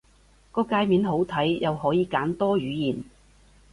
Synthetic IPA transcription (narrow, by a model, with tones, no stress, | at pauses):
kɔː˧kaː˧jmiː˨˥nɦo˨˥wt̪ʰɐ˨˥jjɐ˨whɔː˨˥jiː˨˧kaː˨˥nt̪ɔː˥ɥyː˨˥jiː˨˩n